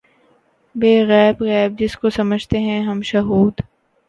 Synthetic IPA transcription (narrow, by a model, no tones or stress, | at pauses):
beːɣɛːbɣɛːb̚d͡ʒɪskosɐməd͡ʒʱt̪eɦɛ̃ɦɐmʃɐɦuːd̪